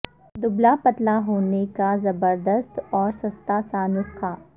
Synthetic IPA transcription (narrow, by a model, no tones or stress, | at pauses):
d̪ʊblapɐt̪laɦoːnekazɐbəɾd̪əst̪ɔːɾsɐst̪asaːnʊsxaː